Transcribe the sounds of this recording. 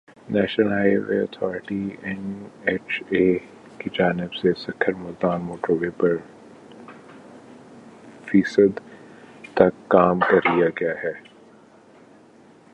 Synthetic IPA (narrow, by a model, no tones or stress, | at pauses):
nɛːʃnəlɦaːʋḛːɐ̰t̪ʰɔːɾɪʈiɛneːt͡ʃeː | kid͡ʒaːnɪbsesɐkʰəɾmʊld̪aːnmoːʈəɾʋeːpɐɾ | fiːsəd̪t̪ɐkːaːmkɐɾlijaɡɐjaɦɛː